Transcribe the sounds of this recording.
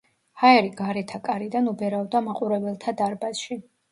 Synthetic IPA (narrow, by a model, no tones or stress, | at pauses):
haɛɾiɡaɾɛt̪ʰakʼaɾid̪anubɛɾaɔd̪amaqʼuɾɛbɛlˠt̪ʰad̪aɾbasʃi